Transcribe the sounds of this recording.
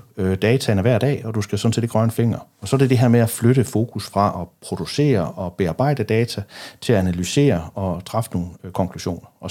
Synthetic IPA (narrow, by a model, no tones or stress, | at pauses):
ød̥ɛːt͡sʰænəʋæɐ̰d̥ɛ̰ːɒ̽d̥usɡ̥æsɒ̽n̩se̝̰ːdɡ̥ʁɶɐnfe̝ŋ̰ɐɒ̽sɒ̽de̝d̥e̝ɦe̝ɐmeæfløɾ̥əfo̝ːkʰusfʁɑ̈ʔɒ̽pʰʁo̝d̥use̝̰ːɐɒ̽b̥e̝ɑ̈ːb̥ɑ̈ɪ̰d̥əd̥ɛːt͡sʰæt͡sʰe̝læænælyse̝̰ːɐɒ̽t͡sʰʁɑ̈fno̝ːn̩kʰɒ̽ŋkʰluɕo̝̰ːnɐɒ̽